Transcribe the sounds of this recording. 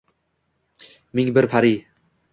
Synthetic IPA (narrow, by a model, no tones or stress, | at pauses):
mɪŋbɪɾpʰaɾi